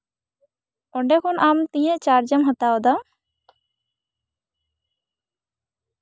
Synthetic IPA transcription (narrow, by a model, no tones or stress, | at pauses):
ɔɖɛkʰɔnamt̪ĩjɛ̃ʔt͡ʃaɾd͡ʒəmɦət̪aɔd̪a